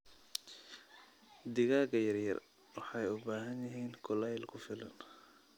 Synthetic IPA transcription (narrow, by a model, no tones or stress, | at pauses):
d̪ɪɣaːɡɐjɐrjɐ̰r | wɑħɑjʊbaːɦɐnjɐɦiːnkʰʊlɛjlkʰʊfɪlɐn